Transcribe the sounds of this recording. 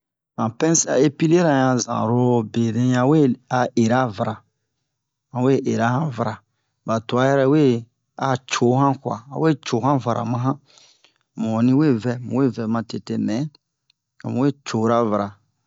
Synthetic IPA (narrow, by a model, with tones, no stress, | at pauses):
hã˨pɛ̃˦sa̰˦˨e˦pi˦le˦ɾã˨jã˨zã̰˨ɾo˦be˨ɾẽ˦ã˨we˦a˨e˨ɾa˦va˨ɾa˨ | ã˨we˦ʔe˨ɾa˦hã˦va˨ɾa˨ | ba˨to˨a˦jɛ˦ɾɛ˦we˦ | a˨t͡ʃo˨˦hã˦kwa̰˨a̰˨we˦t͡ʃo˨hã˦va˨ɾʔa̰˨mã˦ɦã˦ | mɔ̃˨nĩ˦we˦vɛ˦mṵ̃˨we˦˨vɛ˨mã˨te˨te˦mɛ̃˨˦ | a˨mũ˦we˦˨t͡ʃo˨˦ɾa˦va˨ɾa˨